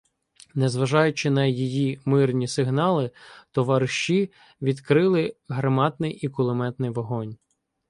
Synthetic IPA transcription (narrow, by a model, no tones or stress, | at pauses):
nɛzʋɐʒɑjʊt͡ʃɪnɐjijimɪrnʲisɪɦnɑlˠɪt̪ɔʋɐɾʃi | ʋʲid̪kɾɪlˠɪɦɾɐmɑd̪nɪjikʊlˠɪmɛt̪nɪjʋɔɦɔnʲ